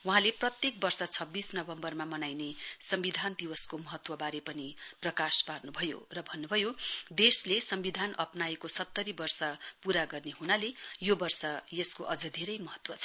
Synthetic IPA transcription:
wuɦãleprʌt̪jek̚bʌrsʌt͡sʰʌbːisnʌbʌmbʌrmamʌnajnesʌmbid̪ʱand̪iwʌskomʌɦʌt̪wʌbaɾepʌniprʌkasparnubʱʌjo̰rʌbʱʌnːubʱʌjod̪eslesʌmbid̪ʱanʔʌ̰pnaekosʌt̪ːʌɾibʌrsʌpuɾaɡʌrneɦunalejobʌrsʌjʌskoʔʌd͡zʌd̪ʱeɾʌjmʌɦʌt̪wʌt͡sʰʌ

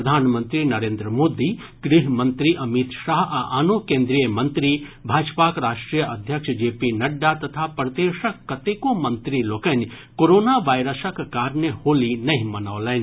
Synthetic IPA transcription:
ɾɐd̪ʱaːnmə̃nt̪ɾinɐɾẽːnd̪ɾəmoːd̪i | ɡ̥ɾɪɦmə̃nt̪ɾiʔɐmit̪ʃaːɦaʔanokẽːnd̪ɾijəmɐ̃nt̪ɾibʱaːd͡ʒpakɾaːʃʈɾijəʔɐd̪ʱjəkʃd͡ʒeːpinɐɖːat̪ɐt̪ʰapɾɐd̪eːʃəkːɐt̪ekomɐ̃nt̪ɾiloːkən | koɾoːnaʋaːjɾəsəkkaːɾnəhoːlinɐɦĩmɐnaʋlɛːn

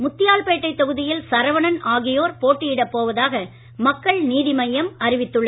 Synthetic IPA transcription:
mʊt̪ːɪjaːlpeːʈːɐɪt̪ːɐɣɯðɪjɪlsɐɾɐʋɐɳɐnaːɣɪjoːɾpoːʈːɪjɪɽɐpːoːʋɐðaːɣɐ | mɐkːɐɭniːðɪmɐjɐmɐɾɪʋɪt̪ːɯɭːɐ

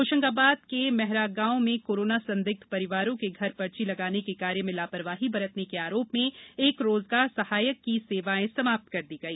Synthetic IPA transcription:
oːʃə̃ŋɡaːbaːd̪̚kemɛɦɾaɡãːõmẽkoːɾoːnasɐ̃nd̪ɪk̚t̪ʰpɐɾɪʋaːɾõkeɡʱɐɾpɐɾt͡ʃilɐɡaːnekekaːɾjəmẽlaːpəɾʋaːɦibɐɾət̪nekeaːɾoːpmẽeːkɾoːzɡaːɾsɐhaːjəkːiseːʋaẽsɐmaːp̚t̪kɐɾd̪iːɡɐiː

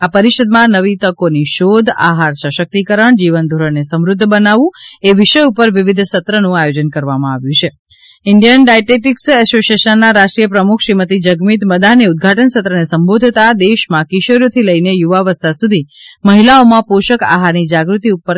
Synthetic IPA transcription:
apəɾiʃəd̪mãnəʋit̪əkoniʃod̪ʱa̰ɦaɾsəʃək̚t̪ikəɾəɳd͡ʒiʋənd̪ʱuɾəɳnesəmɾʊd̪ʱːbənaʋũeʋiʃəjupəɾʋiʋid̪ʱsət̪ɾənũajod͡ʒənkəɾʋamãaʋjũt͡ʃʰe | ɪɳɖijənɖajʈeʈiksɛsoʃeʃənːaɾaʃʈɾijəpɾəmukʰʃɾimət̪̬id͡ʒəɡmit̪məd̪aneud̪̚ɡʱaʈənsət̪ɾənesəmbod̪ʱt̪ad̪eʃmãkiʃoɾjot̪ʰiləinejuʋaʋəst̪asud̪ʱiməɦilaomãpoʃəka̰ɦaɾnid͡ʒaɡɾut̪iupəɾ

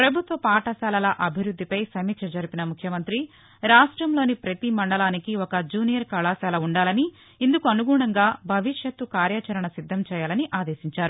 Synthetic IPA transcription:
pɾɐbʱut̪ʋɐpaːʈɐsaːlɐlɐʔɐbʱiɾud̪ːipɐjsɐmikʃɐd͡ʒɐɾipinɐmukʰjɐmɐnt̪ɾi | ɾaːʂʈɾɐmlo̞ːnipɾɐt̪imɐɳɖɐlaːnikiɔkɐd͡ʒuːnijɐɾkɐlaːsaːlɐuɳɖaːlɐni | ind̪ukuɐnuɡuːɳɐŋɡaːbʱɐʋiʂjɐt̪ukaːɾjaːt͡ʃɐɾɐɳɐsid̪ʱːɐmt͡ʃɛːjaːlɐniʔaːd̪eːsiɲt͡ʃaːɾu

